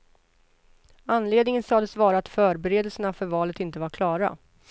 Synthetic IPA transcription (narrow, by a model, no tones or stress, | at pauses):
anleːd̪nɪŋənsɑːd̪əsvɑːɾaat̪fœːɾbɛɾeːd̪ɛlsənafœɾvɑːlət̪ɪnt̪əvaɾkʰlɑːɾa̰